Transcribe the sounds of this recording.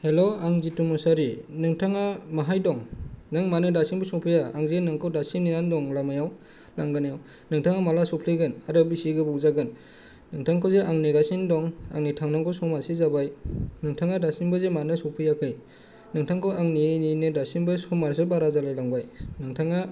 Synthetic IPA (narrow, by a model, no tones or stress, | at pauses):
heloaŋzitumusaɾinɯŋtʰaŋamaɦajdɔŋnɯŋmanɯdasinbɔsɔŋpʰɯjaaŋzenɯŋkʰɯwdasimninandɔŋlamajaw | laŋɡɯnajaw | nɯŋtʰaŋamalasɔpʰliɡɯnaɾɯbisiɡɯbɔwzaɡɯnː | ɯŋtʰaŋkʰɔzeʔaŋniɡasindɔŋa̰ŋnitʰaŋnaŋkʰɔsɔmasizabajnɯŋtʰaŋadasinbɯzemanɯsɔpʰɯjakʰɯj | nɯŋtʰaŋkʰɔaŋnininedasinbɯsɔmaɾs̬ɯbaɾazalajlaŋbajnɯŋtʰaŋa